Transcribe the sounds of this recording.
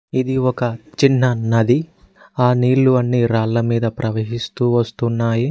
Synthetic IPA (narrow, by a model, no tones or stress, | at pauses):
id̪iɔkɐt͡ʃinːɐnɐd̪i | aːniːɭːuɐnːiːɾaːllɐmiːd̪ɐpɾʔɐʋeːɦist̪uːʋɐst̪unːaːji